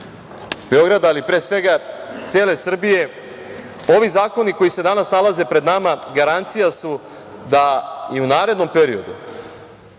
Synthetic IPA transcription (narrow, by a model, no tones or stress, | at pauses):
be̞o̞ɡɾad̪ːlipɾe̞ːsʋe̞ɡat̪sje̞ːle̞sr̩bije̞ | o̞ʋizaːko̞niko̞jise̞d̪anasnalaze̞pɾe̞d̪namaɡaɾant̪sijasu | d̪aiunaːɾe̞d̪no̞mpe̞ɾio̞d̪u